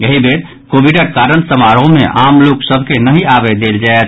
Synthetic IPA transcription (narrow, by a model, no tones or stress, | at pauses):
jəɦibeɾ | kobiɖəɾkaɾənsəmaɾõmeʔamloksəbʱkenəɦiabɛd̪eld͡ʒaet̪̚ʰ